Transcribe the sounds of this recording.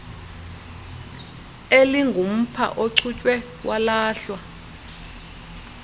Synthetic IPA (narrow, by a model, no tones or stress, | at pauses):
eliŋɡʱum̩pʰa̰ʔoǀʰut͡ʃʼwɛ | walaːɬwa